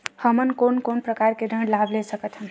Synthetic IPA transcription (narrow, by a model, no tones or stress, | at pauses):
həmənkonkonpɾəkaɾkeɾəɳlablesəkət̪ɦəm